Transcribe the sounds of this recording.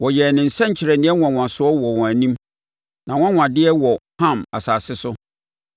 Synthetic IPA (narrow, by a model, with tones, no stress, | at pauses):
wɔ˨jɛ˨nɪ̃˨n̩˨sɛ̃˦ɲ˨t͡ɕʰɪ˨ɾɛ˨nɪ̃˦ɛ˦wã˨w̃a˨sʊ˦ɔ˦wɔ˨wɔ̃˨æ˨nĩ˦m | nã˨wɔ̃˦wʷã˨dɪ˦ɛ˦wɔ˨hã˦˨ma̰˨saː˨sɪ˦sʊ˦